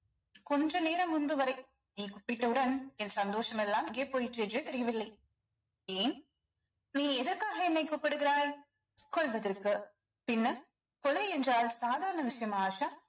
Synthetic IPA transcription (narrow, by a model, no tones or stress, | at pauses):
kɔndrɐneːɾɐmːʊnbɯʋɐɾɐɪ | niːkʊpːɪʈːɐɯɽɐnɛnsɐnd̪oːʂɐmɛlːaːmɪŋɡeːpoːjɪʈrɯɛnd͡ʒrɯt̪ɛɾɪjɐʋɪlːɐɪ | eːn | niːɛðɐɾkaːɣɐɛnːɐɪkuːpːɐɽɯɣɪɾaːj | kɔlʋɐðɐɾkːɯ | pɪnːɐ | kɔlɐɪɛndraːlsaːðaːɾɐɳɐʋɪʂɐjɐmaːʂa